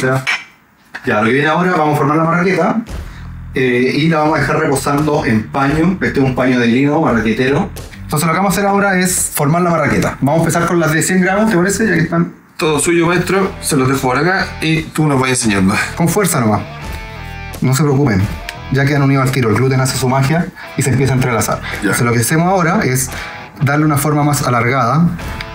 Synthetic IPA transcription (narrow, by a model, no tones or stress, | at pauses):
sea | ɟ͡ʝalokejeneaoɾaβamosfoɾmaɾlaparaket̪a | eilaβamohaðexaɾreposand̪oʔempaɲoket̪eumpaɲoðeɾinomaret̪it̪eɾoennt̪onselokamosaseɾaoɾaesfoɾmaɾlamaraket̪abamosempesaɾkonlaðesjeŋɡɾanot̪epaɾeseʝakeht̪an | t̪oðosuʝomaeht̪ɾoseloðexopoɾakait̪unovaenseɲand̪okoɱfweɾsanoma | nos̬epɾeokupen | ɟ͡ʝak̬eanuniðoalt̪iɾolɣlut̪̬enasesumaxja | isempjesaent̪ɾelasa̰ɾoselokeasemosaoɾae̞s | d̪aɾleunafo̞ɾmamasalaɾɣaða